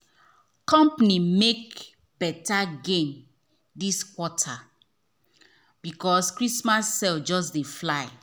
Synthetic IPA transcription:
kɔ̃mpnimek̚ | bɛtaɡẽn | diskwɔtʰa | b̥ikɔskɹismasːɛld͡ʒɔs̬deflaɪ

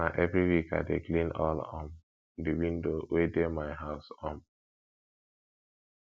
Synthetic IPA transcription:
naʔɛvɹiwika̰deklĩnɔ̰lɔ̰̃m | diwĩndowedemaɪɦaʊsɔ̃m

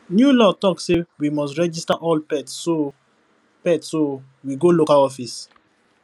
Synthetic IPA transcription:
njulɔtɔksewimɔstɹɛd͡ʒistaʔɔlpɛtso | pɛtso | wiɡolokalɔfis

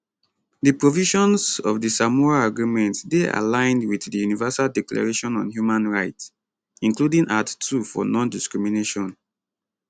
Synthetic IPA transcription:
dipɹoviʃɔ̃nsɔvdisamɔaaɡɹimɛ̃ntdeʔa̰lãɪ̃ndwiθdijunivɛsaldikla̰ɹeʃɔ̃nɔ̰̃nhjumãnɹaɪts | ĩŋkludĩnʔattʰːufɔ̰nɔ̃ndiskɹimineʃɔ̃n

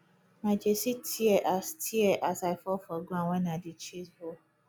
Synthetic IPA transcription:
mad͡ʒesitʰiɛʔastʰiɛʔasaɪfɔfɔɡãŋʷɛnadit͡ʃizho

